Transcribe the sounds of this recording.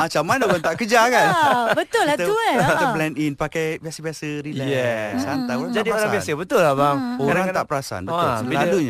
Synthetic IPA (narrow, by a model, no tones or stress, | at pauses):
at͡ʃamandoɡant̪aʔkəd͡ʒakanbət̪ʊlt̪əat̪əplɛninpakajbiasəbiasəɾilɛjɛsant̪aoɾad͡ʒadioɾaŋbiasəbət̪ʊlːabaŋoaɾaŋt̪apəɾasa̰nbəiladuɲa